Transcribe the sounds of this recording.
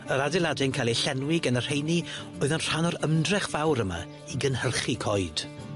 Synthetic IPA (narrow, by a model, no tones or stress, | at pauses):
əɾadɛlˠadɪŋkʰajlˠiɬɛnwɪɡənər̥hejni | ɔɨðənr̥anɔɾəmdrɛχv̥awɾəma̰ | iɡənhərχikʰɔjd̥